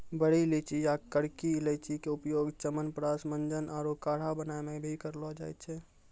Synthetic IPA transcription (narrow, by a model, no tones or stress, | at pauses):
bəɽ̤ilit͡ʃʰid͡ʒakəɽkilɛt͡ʃʰikeupjoɡt͡ʃəmənpɾasmənd͡ʒənʔaːɾokaɽ̤abənaemebʱikəɾlɔd͡ʒa̰ːjt͡ʃʰɛ